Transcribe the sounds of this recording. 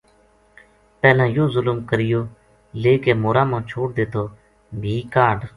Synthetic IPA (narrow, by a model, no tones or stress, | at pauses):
pɛːlãːjoːzʊlmkəɾɪjoː | leːkeːmoːɾaːmãːt͡ʃʰoːʈ̚d̪eːt̪ʰoː | bʱiːkaːɖ